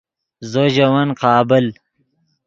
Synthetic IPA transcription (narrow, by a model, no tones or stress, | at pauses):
zoʑɐwɐnqɑːbɪl